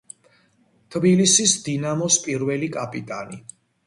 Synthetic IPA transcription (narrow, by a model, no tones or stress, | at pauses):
t̪ʰbilisisd̪inamɔspʼiɾvɛlikʼapʼit̪ʼani